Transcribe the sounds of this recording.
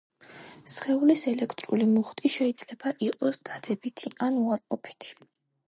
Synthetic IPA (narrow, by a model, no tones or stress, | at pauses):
sχɛulisɛlɛkʰt̪ʼɾulimuχt̪ʼiʃɛid̪z̥lɛbaʔiqʼɔsd̪̥ad̪ɛbit̪ʰiʔanuaɾqʼɔpʰi̥t̪ʰi̥